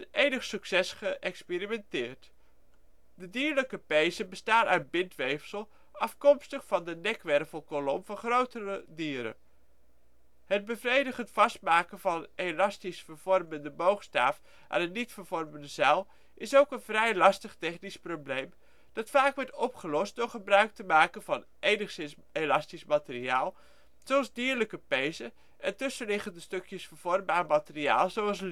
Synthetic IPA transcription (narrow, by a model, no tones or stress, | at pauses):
ənejnəχsɵksɛsχəʔɛksperimɛntɪːɹt | dədiːɹləkəpejzəbəstaːnaɥtbɪntʋejfsəlˠ | ɑfkɔmstəχfɑndənɛkʋɛrvəlˠkolɔmvɑnχrowtərədiːɾə̰ | həd̚bəvrejdəχəntfɑstmaːkənvɑnelɑstisfəɹvɔrməndəmowχsta̰ːf | ʔa̰ːnənitfəɹvɔrməndəzɛlˠ | ʔɪsowkənvrɛjlɑstəχtɛχnisproblejm | d̥ɑtfaːkʋɔɹtɔpχəlɔst̚d̥ʊɹχəbrœɥk̚təmaːkənvɑn | ʔeːjnəχsɪns | elɑstismatəriaːlˠ | z̥oɑlˠzdiəɹləkəpejzə | ʔɛntʏsəlɪχəndəstøkjəsfəɹv̥ɔrmbaːrmatɪria̰ːlˠzoɑlˠs